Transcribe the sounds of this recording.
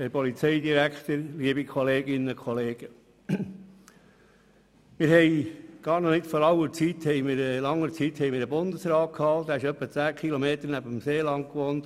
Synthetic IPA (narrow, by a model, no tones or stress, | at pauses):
ɛpɔlit͡sɛɪd̪iɾækχt̪əɾliəbikʰɔleːɡɪnəkʰχɔleːɡ̥ə | mɪːɾhɛɪɡ̥ɑːɾnɔnɪtfɔɾɑwəɾt͡sit̪hɛɪmɪɾəlɑŋːəɾt͡sithɛɪmɪːɾəbʊndəsɾɑːt̚kʰhɑlt̪ːæːɪʃœpːət͡sæːkχilomeːt̪əɾnæbəmseːlɑŋkʋont